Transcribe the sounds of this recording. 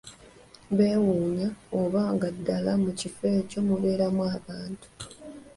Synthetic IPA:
βeːwuːɲaoβaːŋɡadːalamucife̞ːco̞ːmuβe̞ːɾamwaːβaːntu̥

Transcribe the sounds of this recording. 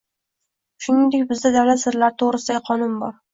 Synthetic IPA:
ʃʊnɪŋd̪ekʲbɪzd̪ad̪avlat̪sɪɾlaɾɪt̪ʰoʁɾɪsɪd̪aɡʲɪqʰɒnʊnbɒɾ

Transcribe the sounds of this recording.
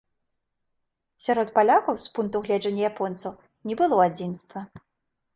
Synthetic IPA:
sʲaɾɔt̪palʲakɐwspunkt̪uɣlʲɛd͡ʐɐnʲːɐjapɔnt̪sɐw | nʲɛbɨlˠɔad͡zʲinst̪vɐ

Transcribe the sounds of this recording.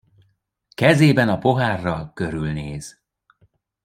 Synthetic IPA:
kɛzeːbɛnɒpo̞ɦaːrːɒlkø̞ɾylneːz̥

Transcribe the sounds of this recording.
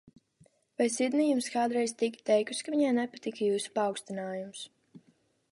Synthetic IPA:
vajsid̪nijumskaːd̪ɾɛjzt̪ikʲt̪ɛjkuskaviɲajnɛpat̪ikajuːsu̥pawkst̪inaːjums

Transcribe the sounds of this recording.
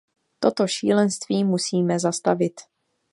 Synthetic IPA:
t̪o̞t̪o̞ʃiːlɛnst̪viːmusiːmɛzast̪avɪt̪

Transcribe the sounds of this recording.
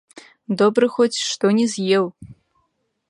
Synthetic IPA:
d̪ɔbɾɨxɔt͡sʲʂt̪ɔnʲɛzʲjɛw

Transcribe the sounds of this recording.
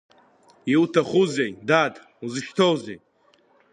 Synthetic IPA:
iwutʰaχuzejdadʼ | uzɨʃtʰowzej

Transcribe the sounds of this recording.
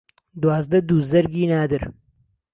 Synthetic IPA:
d̪uwaːzd̪ɐd̪uzɐɾɡiːnaːd̪ɨɾ

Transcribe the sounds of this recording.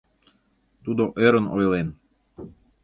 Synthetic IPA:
t̪ud̪oʔeɾəno̰jlen

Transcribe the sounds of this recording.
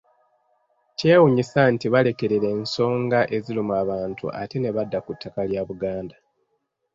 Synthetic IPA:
ce̞ːwuɲisantiβale̞ke̞ɾeɾe̞ːnso̞ːŋɡaʔe̞zilumuaːβaːntṵʔa̰te̞ne̞βadːakutʰːakaljaβuɡaːnda

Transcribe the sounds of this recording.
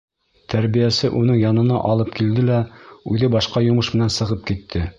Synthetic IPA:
t̪ʰæɾbijæsɘʔunɤɴjɑnɤ̆nɑ̰ʔɑlˠɤp̚kild̪ɘlæʉðɘbɑʃqɑjŏmɤʃmɘ̆nænsɤ̆ʁɤp̚kit̪ʰːɘ

